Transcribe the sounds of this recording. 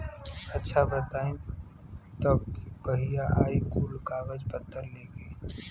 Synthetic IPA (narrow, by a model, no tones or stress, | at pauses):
ɐtːʃʰabət̪aːĩ | t̪ɐbkɐɦijaʔaːikuːlkaːɡəd͡ʒpət̪ːəɾleːɡi